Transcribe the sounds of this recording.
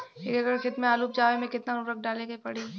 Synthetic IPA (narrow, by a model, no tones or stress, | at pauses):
eːkɐɡəɾxɪd̪mẽaːluːp̚d͡ʒaːʋemẽkɪt̪naɾʊɾɐk̚ʰɖaːleɡɐipɐɽe